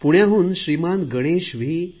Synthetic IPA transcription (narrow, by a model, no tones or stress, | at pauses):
puɽjãɦuːnɕɾimanɡəɽ̃eɕʋiː